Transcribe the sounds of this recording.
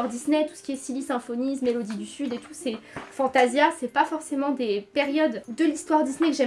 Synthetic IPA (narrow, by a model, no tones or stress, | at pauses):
ʁd̪isnɛt̪u̥sə̥kʲiɛsilisɛ̃fɔnismelod̪id̪ysyd̪et̪ʰusɛfɑ̃t̪azjasɛpafɔʁsemɑ̃d̪epeʁjɔd̪ːəlist̪waʁd̪isnɛkəʒɛ